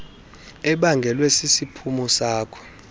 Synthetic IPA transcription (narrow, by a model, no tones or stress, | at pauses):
ɛɓaŋɡʱɛlwɛsisipʰumɔsaːkʰɔ̥